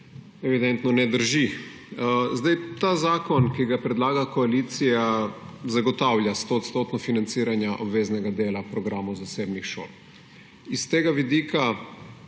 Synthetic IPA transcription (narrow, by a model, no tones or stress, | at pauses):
ɛʋid̪ɛnt̪nɔnɛd̪əɾʒi | zd̪ajt̪aːzaːkɔnkiɡapɾɛd̪laːɡakɔaliːt̪sijazaɡɔt̪awljast̪oːt̪st̪ot̪nɔfinant̪siːɾanjaʔɔbʋeːznɛɡad̪eːlapɾɔɡɾaːmɔwzasebnixʃo̰ːl | ist̪eːɡaʋid̪iːkʰa